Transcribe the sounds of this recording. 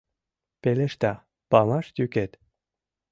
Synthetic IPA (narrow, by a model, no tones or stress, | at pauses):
peleʃt̪ɑ | pɑmɑʃt̪ʲyket̪